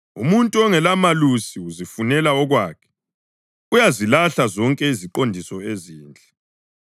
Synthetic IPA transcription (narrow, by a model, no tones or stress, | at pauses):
ṵmuntʼuɔŋɛlamalusiuzifunɛlaɔɣwaːkʰɛ̥ | ujazilaɬazɔŋkʼɛiziǃondʱisɔeziːnd͡ɮʱʼɛ